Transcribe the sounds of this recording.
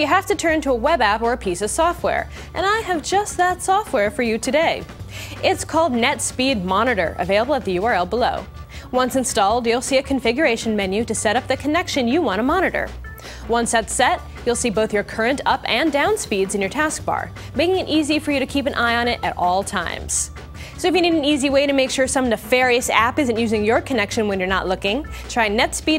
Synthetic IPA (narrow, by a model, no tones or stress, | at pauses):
jɨɦæftɨtʰɜ̃˞ntʰəəwɛbæpə˞ɨpʰisʌv̥sɔft̚wɛ̰ɹ | ʔɨ̰̃naɪɨvd͡ʒʌst̪̚ðətsɔft̚wɛɹfə˞jɨtʰɨdeɪʔɪtskʰɔlˠdⁿnɛtspid̚mɑnɨɾə̰˞ʔɨ̰veɪlˠəbl̩ˠət̪̚ðɨjʉɑɹɛlˠbəloʊ | wʌ̃nsɨ̃nstɔlˠdjulˠsiɨkʰɨ̃ɱfɪɡjə˞eɪʃɨ̃n̩mɛ̃njʉɾɨsɛɾʌp̚ðɨkʰɨnɛkʃɨ̃njɨwɑ̃ɾ̃əmɑɾnɨɾə̰˞ | wʌ̃nsɛtsɛt̚ | julˠsiboʊθjə˞kʰɜ˞ɨ̃ntʌpɨ̃ndãʊ̃nspidzɨ̃n̩jə˞tʰæsk̚b̥ɑ̰ɹ | meɪkɪ̃ŋɨɾʔizifə˞jɨɾɨkʰipɨ̃nʔaɪə̃nɪɾʔɨɾɔlˠtʰã̰ɪ̃mz̥ | soʊɨfjɨniɾn̩iziweɪɾɨmeɪkʃʊɹsʌ̃mðɨfɛɹiɨsæ̰pɪzɨ̃ntjʉzɪ̃ŋjə˞kʰɨnɛkʃɨ̃nwɨ̃njə˞nə̰ʔˡlʊkɪ̃ŋtʰɹ̥aɪ̃nɛtspi